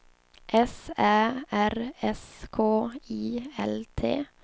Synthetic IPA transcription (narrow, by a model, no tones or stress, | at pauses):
ʔɛsæːæɾɛskʰoːiːɛlt̪ʰḛː